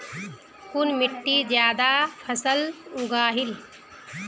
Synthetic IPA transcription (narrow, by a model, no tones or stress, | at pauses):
kunmiʈːid͡ʒjaːd̪apʰəsəluɡaːɦil